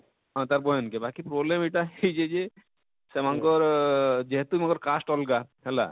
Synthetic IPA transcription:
ɦãt̪aɾbɔjɔnkebakipɾɔblemiʈaɦid͡ʒed͡ʒe | semaŋɡɔɾd͡ʒeɦt̪uimaŋɡɔɾkasʈɔlɡaɦɛla̰

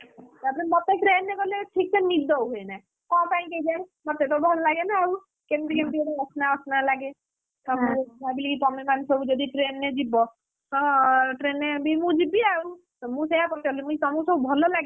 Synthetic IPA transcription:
t̪apnemɔt̪eʈɾenːekɔleʈʰiksemild̪ɔuɦoena | kɔpaĩkeid͡ʒamɔt̪et̪ɔbʱɔlɔlaɡenaau | kemt̪ikemt̪ieʈeɔsnaɔsnalaɡe | t̪ɔbũabilikit̪ɔmemansɔud͡ʒɔd̪iʈɾenːed͡ʒibɔ | t̪ɔʈɾenːebimũd͡ʒibiau | t̪ɔmũseɦapɔɾt̪ɔlimũit̪ɔmũsɔbubʱɔlɔlaɡe

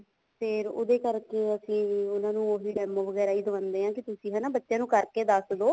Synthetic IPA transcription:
pʰeːɾʊ̰d̪eːkəɾkeːəsĩːʊnãːnũːoːɦiːɖɛːmõːbəɡɛːɾaːiːd̪əʋãːnd̪eːɦãːkɪt̪ʊsĩːɦɛ̃ːnabətːʃãːnũːkəɾkeːd̪əsd̪oː

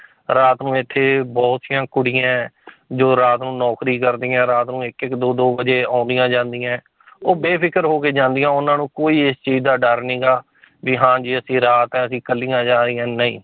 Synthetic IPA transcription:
ɾaːt̪nũːɪt̪ʰːeːbɔːt̪ijãːkʊɽɪjãː | d͡ʒoːɾaːt̪nũːnɔːkɾiːkəɾd̪iːãːɾaːt̪nũːɪkɪkd̪oːd̪oːbəd͡ʒeːãːnd̪ijãːd͡ʒãːnd̪ɪjãː | oːbeːpʰɪkəɾɦoːkeːd͡ʒãːnd̪ijãːʊnãːnũːkoːiːɪst͡ʃiːd͡ʒd̪aːɖəɾnĩːɡaː | ʋiːɦãːd͡ʒiːəsĩːɾaːt̪ɛ̃ːəsĩːkəlːijãːd͡ʒaːɾiːɛ̃ːnəĩː

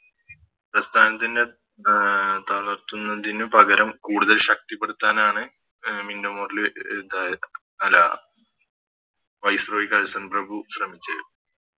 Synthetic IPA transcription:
ɐst̪ʰaːnɐt̪̬ːinde̞ | t̪ɐɭɐrt̪ːunːɐðinɨpɐɡɐɾɐmkuːɽuðɐlɕɐk̚t̪ipːe̞ɽut̪ːaːnaːɳɨ | mindomoːrlɨd̪a | ɐla̰ | ʋɐjsroːikaːd͡ʑɐsɐnprɐbʱuɕrɐmit͡ɕːɐ

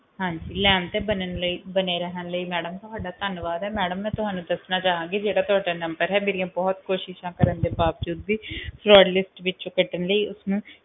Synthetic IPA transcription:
ɦãːɲd͡ʒiːlɛːmt̪ɛːbənənləiːbəneːɾəɦənləiːmɛːɖəmt̪ʊɦaːɖaːt̪ənʋaːd̪ɦɛːmɛːɖəmːɛ̃ːt̪ʊɦaːnũːd̪əsnaːt͡ʃaːãːŋɡeːd͡ʒeːɽaːt̪ʊɦaːɖaːnəmbəɾɦɛːmeːɾijãːbɔːt̪koːʃɪʃãːkəɾənd̪eːbaːʋd͡ʒuːd̪̚biːfɾɔːɖlɪsʈʋɪt͡ʃt͡ʃʊkəʈənləiːʊsnũː

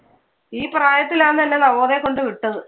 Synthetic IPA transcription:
iːpraːjɐt̪ːilaːnːɐnːenɐmoːðekːo̞ɳɖɨʋiʈːɐðɨ

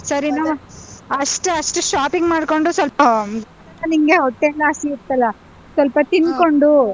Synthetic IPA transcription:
sɐɾinɐmɐɐʂʈɐʂʈuʃaːpiŋɡmaːɽkoɳɖusʋɐlpɐɡ̪ | ɐnɐnimɡeɦɔt̪ːelːasiiɾt̪ɐlːɐ | sʋɐlpɐt̪inko̞ɳɖu

